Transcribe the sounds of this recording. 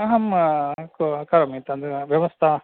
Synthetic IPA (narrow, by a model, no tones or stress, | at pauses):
ɐɦɐmkokɐɾɐmit̪ɐnd̪ʋjɐʋɐst̪ʰɐ